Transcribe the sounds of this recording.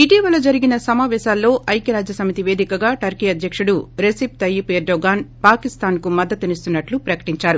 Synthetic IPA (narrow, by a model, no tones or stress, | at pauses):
iʈiːʋɐlːɐd͡ʒɐɾiɡinɐsɐmaːʋɛːʃaːlːo̞ːʔɐjkɐɾaːd͡ʒjɐsɐmit̪iʋe̞ːd̪ikɐɡaːʈɐɾkiːɐd̪ʱjɐkʂuɽuɾesip̚t̪ɐjipeːɾɖoɡaːnpaːkist̪aːnkumɐd̪ːɐt̪ːunist̪unːɐʈlupɾɐkɐ̥ʈiɲt͡ʃaːɾu